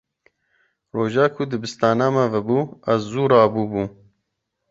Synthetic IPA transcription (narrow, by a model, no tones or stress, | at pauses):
roːʒɑːkʰʊd̪ɨbɨst̪ɑːnaːmɛvɛbuːɐzzuːɾɑːbuːbuː